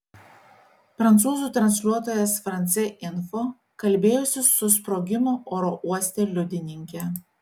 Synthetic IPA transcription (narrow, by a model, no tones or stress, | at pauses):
pɾɐnt̪suːzuːˑt̪ɾɐnʲsʲlʲuɔt̪oːjɛsfɾɐnʲt̪sʲɛʔɪnfo | kɐlʲˑbʲeːjʊsʲɪsʊspɾoːɡʲɪmoːʔoːɾoʔuɔsʲt̪ʲeːlʲʊd̪ʲɪnʲɪŋʲkʲɛ